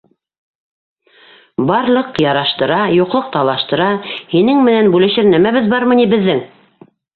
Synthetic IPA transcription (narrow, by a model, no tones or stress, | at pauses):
bɑɾlˠɤqjɑɾɑʃt̪ɤ̆ɾɑjuqlˠɤq̚t̪ɑlˠɑʃt̪ɤ̆ɾɑhinɘŋmɘ̆nænbʉlɘ̆ʃɘɾnæmæβɘðbɑɾmɤ̆nibɘ̆ðːɘŋ